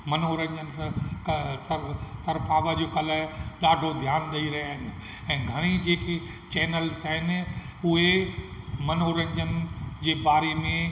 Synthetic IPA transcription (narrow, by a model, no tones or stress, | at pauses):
mɐnoɾə̃ɲd͡ʑənskɐsɐɾt̪ɐɾpʰaːʋəd͡ʑoːkɐləɗaːɖʱod̪ʱjaːnd̪ɐiɾɐɦiaːɦi | ɛ̃ːɡʱɐɽ̃id͡ʑeːke | t͡ɕɛːnəlsɦɪnɪ̆ʊɦe | mɐnoːɾə̃ɲd͡ʑənd͡ʑeːbaːɾemẽ